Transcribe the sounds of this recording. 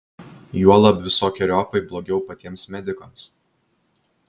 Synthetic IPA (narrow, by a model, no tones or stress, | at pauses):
juɔlˠɐpʋʲɪsoːkʲɛɾʲɔpɐɪblˠoːɡʲɛʊpɐt̪ʲiɛmsmʲɛd̪ʲɪkɐms